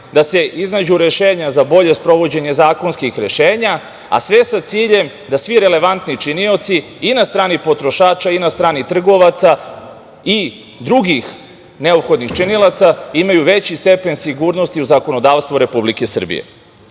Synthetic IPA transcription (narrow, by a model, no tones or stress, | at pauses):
d̪ase̞ʔiznad͡ʑuɾe̞ʃeːɲazabo̞ʎe̞spɾo̞ʋo̞d͡ʑe̞ɲe̞zaːko̞nskixɾe̞ʃeːɲa | a̰sʋe̞sat̪siːʎe̞m | d̪asʋiɾe̞le̞ʋant̪nit͡ʃinio̞t̪si | inast̪ɾaːnipo̞t̪ɾo̞ʃaːt͡ʃainast̪ɾaːnit̪r̩ɡo̞ʋat̪sa | i | d̪ɾuɡix | ne̞opxo̞d̪nixt͡ʃinilˠat̪saimajuʋe̞t͡ɕist̪e̞pe̞nsiɡuːɾno̞st̪iuzako̞nod̪aːʋst̪ʋoɾe̞publikesr̩bḭjḛ